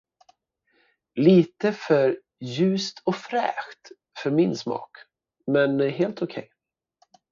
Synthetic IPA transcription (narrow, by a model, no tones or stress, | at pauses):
liːt̪əfœɾ | jʉ̟ːst̪ʰɔfɾɛ̰ːɧt̪ | fœɾmɪnsmɑ̰ːk | mɛnɦeːlt̪ʊkʰɛ̰j